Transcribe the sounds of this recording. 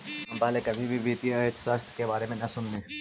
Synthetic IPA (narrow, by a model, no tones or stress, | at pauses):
ɦɐmbaːlekɐbʱibʱibiːt̪ijaet̪sast̪ʰkebaːɾemẽnɐsʊnːeː